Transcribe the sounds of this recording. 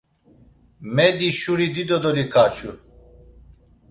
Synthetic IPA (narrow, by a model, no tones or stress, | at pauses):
mɛd̪iʃuɾid̪id̪ɔd̪ɔɾikʰat͡ʃʰu